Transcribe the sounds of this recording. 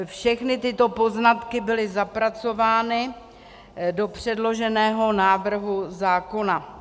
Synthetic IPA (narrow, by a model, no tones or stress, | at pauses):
fʃɛxnɪt̪ɪt̪o̞po̞znat̪kɪbɪlɪzapɾat͡so̞vaːnɪ | do̞pr̝̥ɛdlo̞ʒɛnɛːɦo̞naːvr̩ɦuzaːko̞na